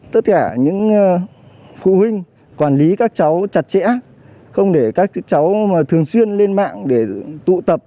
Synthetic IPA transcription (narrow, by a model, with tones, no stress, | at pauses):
t̪ə˦˥t̚kaː˧˩ɲɨ̰˧˥ŋ | fṵ˧˨hwï˧ŋ̟ | kwaː˧˩nli˨˦kaː˦˥k̚t͡ɕa˨˦wt͡ɕa˨˩t̚t͡ɕɛ̰˧˥ | xə˧wŋ͡mɗe˧˩kaː˦˥k̚t͡ɕa˨˦wt̪ʰɨ˨˩əŋswi˧ənle˧nma̰ː˧˨ŋɗe˧˩t̪ṵ˧˨t̪ə˨˩p̚